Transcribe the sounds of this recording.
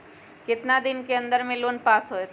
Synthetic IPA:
kɪt̪nad̪ɪnkeɐ̃nd̪əɾmẽloːnpaːsɦoet̪

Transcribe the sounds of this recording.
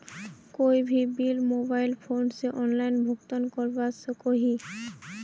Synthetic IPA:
kojbʱibilmobajlpʰonseʔɔnlajnbʱokt̪onkoɾbasokoɦi

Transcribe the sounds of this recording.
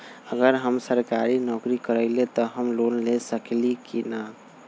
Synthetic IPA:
əɡəɾɦəmsəɾkaɾinɔkɾikəɾəɪlet̪ɔɦəmlonlesəklikina

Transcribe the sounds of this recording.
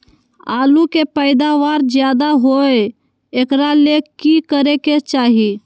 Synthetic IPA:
aːlukepəɪd̪aʋaɾd͡ʒjad̪aɦoje | ekɾalekikəɾeket͡ʃaːɦi

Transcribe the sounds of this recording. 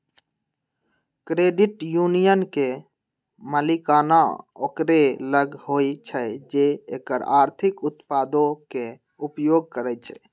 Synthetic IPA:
kɾeɖiʈjunijənke | məlikanao̰kɾeləɡhojt͡ʃʰəd͡ʒeḛkəɾa̰ɾt̪ʰikut̪pad̪oke | upjoɡ̚kəɾɛt͡ʃʰɛ̰

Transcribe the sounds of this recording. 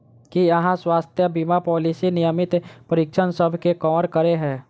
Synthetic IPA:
kiɐɦãswaːst̪ʰjəbimapɔːlisinɪjəmɪt̪pəɾɪkʃʰənsəbʱkekɔːɾkəɾeɦɛ̃ː

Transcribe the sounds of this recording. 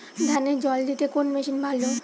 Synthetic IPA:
d̪ʱaned͡ʑɔld̪it̪ekonmeʃinbʱalo

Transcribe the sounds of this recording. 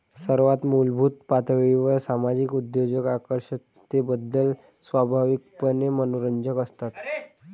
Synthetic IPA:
səɾʋat̪mulbʱuːt̪̚pat̪ʋeiʋəɾsamad͡ʑikud̪ːed͡ʑəkakəɾɕə | ebəd̪ːəl | sʋabʱaʋik̚pənemənoɾəɲd͡ʑəkəst̪at̪

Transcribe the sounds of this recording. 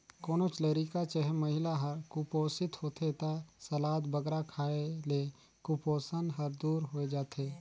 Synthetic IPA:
koːnot͡ʃləɾikat͡ʃəɦɛmɐɦɪlaɦɐɾkʊpoːsɪt̪hoːt̪ʰet̪asɐlaːt̪bɐɡɾakʰaːele | kupoːsənɦɐɾd̪uːɾɦoːed͡ʒaːt̪ʰeː

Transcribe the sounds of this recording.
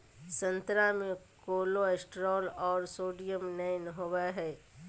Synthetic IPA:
sə̃nt̪ɾamẽ | koːloesʈɾɔːlɔːɾsoːɖijəmnəɪnɦoːwaɦɛː

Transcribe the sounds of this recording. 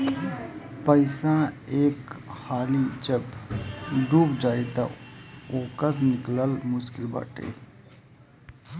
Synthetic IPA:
pəɪsaeːkhaːlid͡ʒəb | ɖuːpd͡ʒaːit̪a̰oːkəɾnɪkləlmʊʃkɪlba̰ːʈḛː

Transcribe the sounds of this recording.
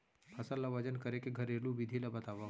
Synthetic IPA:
pʰəsəlːaʋəd͡ʒənkəɾekeɡʱəɾelũʋid̪ʱilabət̪aʋːa

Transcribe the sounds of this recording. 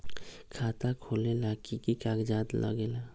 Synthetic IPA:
kʰaːt̪akʰoːlelaːkʰikikaːkd͡ʒaːd̪lʔə̰ɡela

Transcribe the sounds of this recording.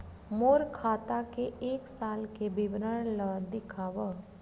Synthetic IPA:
moːɾkʰaːt̪akeeːksaːlkebɪbɾəɽ̃ləd̪ɪkʰaːʋə

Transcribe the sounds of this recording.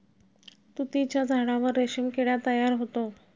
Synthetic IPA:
t̪ut̪it͡ɕjad͡zʱaɽaʋəɾːeɕimkeɽjat̪əjaɾɦot̪o

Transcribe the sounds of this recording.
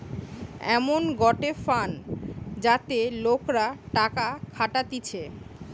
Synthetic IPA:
ɛ̰monɡɔʈefand͡ʑat̪elokɾaʈakakʰaʈat̪it͡ɕʰe

